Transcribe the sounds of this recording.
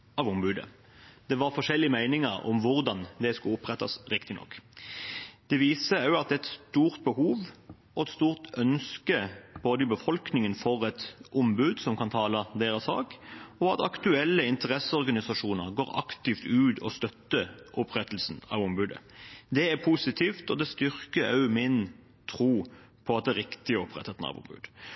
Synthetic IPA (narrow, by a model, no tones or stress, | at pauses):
ɑʋʊmbʉːd̪ə̰ | d̪ɛʋɑʁfɔʂɛlːɪəmæɪnɪŋəɾɔ̰mʋʊʁd̪ɑnd̪ɛskʉlʊpʁɛt̪ːɑ̰sɾɪkt̪ɪnɔ̰kː | d̪̥ɛʋiːsəʉɑt̪̚ɛt̪st̪uːʁt̪̚bəhuːʋ | ɔɛt̪st̪uːʁt̪œnskəb̥oːd̪əɪbəfɔlknɪŋənfɔʁɛt̪ʔʊmbʉːd̪sɔmkʰɑnt̪ʰɑːlɑd̪eːɾɑsɑ̰ːkɔɑt̪ɑ̰kt̪ʉɛlːəɪnt̪əʁɛsəɔʁɡɑnɪsɑʂuːnəʁɡoːʁɑ̰kt̪ɪft̪ʉːd̪ɔst̪œt̪ːəʔɔpʁɛt̪əl̩sn̩ɑ̰ːʋʊmbʉːd̪ə̰d̪ɛæpʰusɪt̪ʰiːft̪ɔd̪ɛst̪ʏʁkəɑ̰ʉmɪn | t̪ʰɾuː | pʰɔɑt̪̚d̪ɛːɾɪkt̪ɪəɔpʁɛt̪ːət̪n̩ɑ̰ʋʊ̰mbʉ̰ːd̪̥